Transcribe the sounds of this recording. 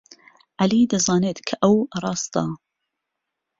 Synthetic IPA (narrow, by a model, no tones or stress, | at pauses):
ʔaliːd̪ɐzɑːneːt̪kʰɐʔɐwrˤɑːst̪ɑː